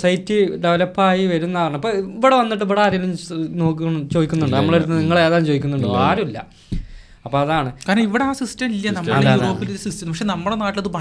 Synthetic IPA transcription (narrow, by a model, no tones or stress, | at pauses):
sɐjtːiɖeʋɐlɐpːaːjiʋɐɾunːɐɳɐpːoiʋiɽeʋɐnːiʈːiʋiɽeaːɾɐɐlumno̞ːkːɐɳt͡ɕo̞ːðikʲːunːuɳɖɨnɐmːɐɭoɾueniŋːɐɭeːðaːmt͡ɕoːikʲːunːuɳɖɨaːɾumilːɐ̰ | ɐpːoɐðaːɳɨkaːɾɐiʋiɽeaːsistɐmilːjɐnɐmːɐɐeðaːuːɾo̞ːpːiluɾusistɐmpɐkʂenɐmːuɽenaːʈːilɐðɨpɐ